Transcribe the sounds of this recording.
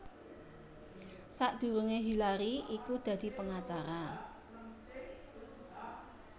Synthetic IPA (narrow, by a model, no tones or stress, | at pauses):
saʔd̪̥ṳɾuŋeɦilaɾiikud̪̥ä̤d̪̥i̤pəŋat͡ʃaɾa